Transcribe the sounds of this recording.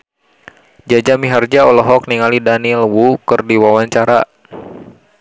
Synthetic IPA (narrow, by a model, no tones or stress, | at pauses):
d͡ʒad͡ʒamiɦard͡ʒaɔlɔɦɔk̚niŋalidanilwukɨrdiwawaɲt͡ʃaɾa̰